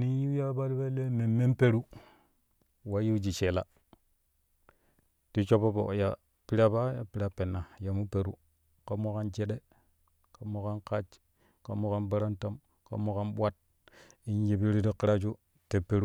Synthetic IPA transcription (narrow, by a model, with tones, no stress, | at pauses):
ni˦ji˦ja˦ba˦lbe˦le˦me˨me˦mpe˦ɾu˦ | wa˦ji˦d͡ʒi˨t͡ʃe˨la̰˦ | ti˦t͡ʃo˦pːo˦po̰˨ja̰˨ | pi˦ɾa˦ba˦ja˨pi˦ɾa˦pe˨nːa˨ja˨mu˦pe˨ɾu˦ | ka˦mo˦ka˦nd͡ʒe˦ɗe˦ | ka˨˦mo˦ka˦nka˦t͡ʃ | ka˨mo˦ka˦nba˦ɾa˦nta˦m | ka̰˨˦mo˦ka˦nɓʷa˦t̚ | i˦nji˦bi˦ɾi˦di˦ki˦ɾa˦t͡ʃu˦ | te˨pːe˦ɾu˦